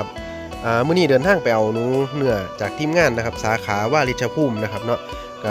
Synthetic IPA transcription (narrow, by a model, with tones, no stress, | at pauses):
a˦˧p̚ | ʔaː˨˩mɯː˥˩˨niː˧˥˩dɤː˧nt̪ʰaː˥˩ŋpa˧jʔa˧wnuː˦nɯ˧˩ɐt͡ɕaː˨˩k̚t̪ʰiː˥˩mŋaː˥˩nːa˦˥kʰa˦˥p̚saː˨˩˦kʰaː˩˦waː˥˩ɾi˦˥t̪̚t͡ɕʰa˧pʰuː˥˩mna˦˥kʰa˦˥p̚nɔ˦˥ʔ | ka˧˥˩